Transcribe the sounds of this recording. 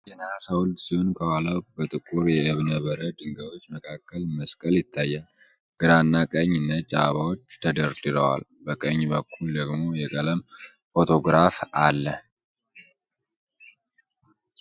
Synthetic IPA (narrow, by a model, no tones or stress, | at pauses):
jənəhasawʊld̪siho̞nkʰəwalawʼbət̪ʼɨkʼuɾjɛɨβnəβəɾəd̪ɨŋɡəβo̞t͡ʃːməkʰakːəlməskʼəljɪt̪ʰːajːan | ɡ̥ɨɾanːakʼəɲːɪnːət̪t͡ʃʼaβawo̞t͡ʃːt̪ʰəd̪əɾd̪ɨɾəwa̰lbəkʼəɲːbəkʰːuld̪əɡmo̞jɛkʼələm | fo̞t̪ʰo̞ɡɾafalːə